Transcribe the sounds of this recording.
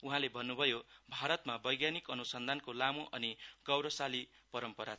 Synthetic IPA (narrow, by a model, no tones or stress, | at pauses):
uɦãlebʱʌnːubʱʌjobʱaɾʌt̪mabʌjɡjanikʌnusʌnd̪ʱankolamuʔʌniɡʌwɾʌsali | pʌɾʌmpʌɾat͡sʰ